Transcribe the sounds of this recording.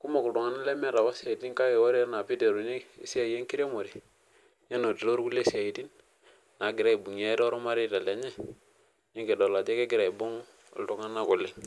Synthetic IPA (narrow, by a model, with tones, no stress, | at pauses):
ku˦ma˨ku˨ltu˨ŋa˦na˦le˦mɛ˦ɾa˨wa˦sa˨i˨ti˦nka˦je˨wo˦ɾe˦na˨pi˦de˨ɾu˨ɲe˦i˨si˦a˦˨je˦ŋki˦ɾe˦mo˨ɾi˨ | je˦no˨ti˨ɾo˦ɾku˦le˦si˦a˨i˨ti˦n | na˨˦ɡi˨ɾa˦i˨bu˨ŋ˨a˦i˦ɾɔ˦ɾo˦ma˦ɾi˦˨ta˨le˨ɲɛ˦ | ni˦ŋke˨do˨la˨d͡ʒe˦ke˦ɡɪ˨ɾa˨i˨bu˦ŋ˦ | ṵ˨ltu˦ŋa˦na˦ku˨li˦ŋ